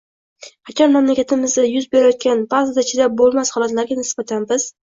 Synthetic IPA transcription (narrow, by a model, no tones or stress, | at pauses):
qʰɑt͡ʃʰanmamlakʲat̪ʰɪmɪzd̪ajʊzbeɾajɒt̪̚kʲanbazad̪at͡ʃʰɪd̪abolˠmashɒlˠat̪laɾɡʲanɪsb̥at̪ʰanbɪz̥